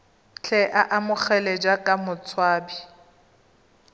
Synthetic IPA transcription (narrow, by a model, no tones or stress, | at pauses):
t͡ɬʰɛʔaʔamʊχɛlɛd͡ʒakʼamʊt͡sʰwaːbi